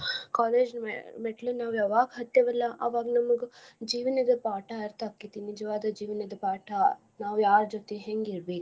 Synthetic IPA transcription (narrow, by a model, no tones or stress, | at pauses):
kaːleːd͡ʒmeʈɐlɐnaːʋjaʋaːɡɐɦɐt̪ːjɐʋɐlːɐʔɐ̰ʋaːɡɐnɐmɐɡud͡ʒiːʋɐnɐd̪ɐpaːʈɐɐɾt̪ʰaːkːit̪ːinid͡ʒɐʋaːd̪ɐd͡ʒiːʋɐnɐd̪ɐpaːʈɐ | naːʋjaːɾd͡ʒot̪eɦeŋɡiɾbeːku